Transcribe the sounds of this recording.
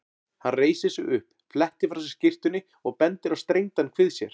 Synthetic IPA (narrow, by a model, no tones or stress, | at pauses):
hanreːjsɪ̥sɛ̰ʏhp | flɛht̪ɪɾfɾasɾ̥scɪr̥t̪ʏnːɪ | ɔɣpɛnt̪ɪɾawst̪ɾejŋt̪ankʰvɪðsjɛɾ̥